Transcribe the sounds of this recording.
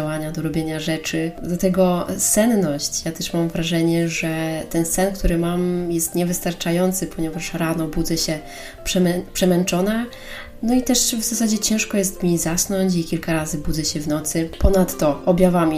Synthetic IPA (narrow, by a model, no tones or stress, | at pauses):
awaɲad̪ɔɾɔbʲjeɲaʐɛt͡ʂɘd̪lat̪ɛɡɔsɛnnɔɕt͡ɕjat̪ɛʂmamvɾaʐɛɲɛʐɛt̪ɛnsɛnkt̪uɾɘmamjɛst̪ɲɛvɘst̪aɾt͡ʂajɔnt̪sɘpʰɔɲɛvaʂɾanɔbud̪zɛɕɛ | pʂɛmɛpʂɛmɛnt͡ʂɔna | nɔit̪ɛʂvzasad͡ʑɛt͡ɕɛ̃w̃ʂkɔjɛst̪mʲizasnɔɲt͡ɕikʲilkaɾazɘbuzɛɕɛvnɔt̪sɘpɔnat̪ːɔɔbʲjavamʲi